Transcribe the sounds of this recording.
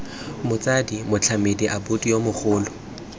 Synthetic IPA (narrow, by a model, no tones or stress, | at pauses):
mʊt͡sʼadimʊt͡ɬʰamediʔabʊtʼijomʊχʊːlʊ